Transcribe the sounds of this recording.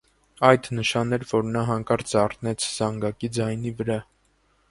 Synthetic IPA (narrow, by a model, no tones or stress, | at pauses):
ɑjd̪nəʃɑnɛɾvɔɾnɑɦɑŋkɑɾt͡sɑrnɛt͡sʰz̥ɑŋɡɑkid͡zɑjnivəɾɑ